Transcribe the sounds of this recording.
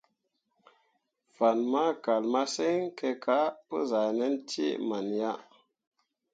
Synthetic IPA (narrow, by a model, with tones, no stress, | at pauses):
v̥a˨nma˦ka˨lma˦se˦ŋke˧kʰa˦pṵ˦za˨ne˦ntḭ˦ma˨nja˦